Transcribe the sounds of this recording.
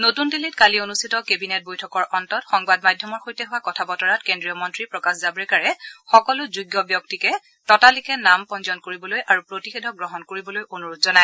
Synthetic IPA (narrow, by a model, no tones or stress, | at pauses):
notundilitkalionustʰitɔkebinɛt̚bojtʰɔkɔɹʔɔntɔtxɔŋbadmajdʱjɔmɔɹxojtɛɦʊwakɔtʰabɔtɔɹatkendɹijɔmɔntɹipɹɔkaszabɹɛkaɹɛxɔkɔlʊzuɡjɔbjɔk̚tikɛ | tɔtalikɛnampɔnzɔnkoɹibɔlojʔaɹupɹotixedʱɔɡɹɔɦɔnkoɹibɔlojonuɹotzɔnaɛ